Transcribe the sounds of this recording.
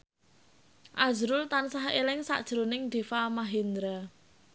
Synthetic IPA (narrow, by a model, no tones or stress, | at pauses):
ʔazɾʊlt̪ansaɦelɪŋsa̰ʔd̥ʒ̥ɾonɪŋɖ̪̥e̤famaɦind̪ɾa